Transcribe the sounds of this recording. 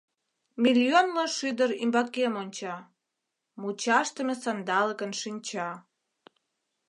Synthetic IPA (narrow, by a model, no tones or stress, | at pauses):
mʲiljonlɑʃyd̪əɾimbɑkemonʲt͡ɕɑ | mut͡ɕɑʃt̪əmesɑnd̪ɑləkənʃinʲt͡ɕɑ